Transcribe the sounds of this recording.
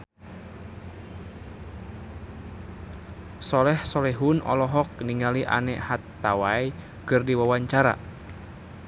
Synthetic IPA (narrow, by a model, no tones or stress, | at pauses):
sɔlɛhsɔlɛɦunʔɔ̰lɔɦɔk̚niŋaliʔa̰nɛ̰ʔhat̪ːawaj | kɨrdiwawaɲt͡ʃaɾa̰